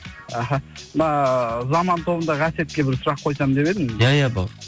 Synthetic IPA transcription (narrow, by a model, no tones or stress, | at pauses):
æɦannɑzɑmɑnt̪ʰo̞bənd̪ɑʁɑse̞t̪̚kʲe̞bɪɾsʊɾɑqʰo̞jsɑmd̪e̞pe̞d̪ɪmjajabo